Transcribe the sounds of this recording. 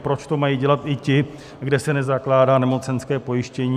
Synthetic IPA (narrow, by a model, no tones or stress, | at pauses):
pɾo̞t͡ʃt̪o̞majiɟɛlat̪ʔɪcɪ | ɡdɛsɛnɛzaklaːdaːnɛmo̞t͡sɛnskɛːpo̞jɪʃcɛɲi